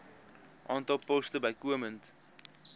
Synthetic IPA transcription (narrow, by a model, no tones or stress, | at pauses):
ʔɑːntɔlˠpɔstəbɐjkuəmənt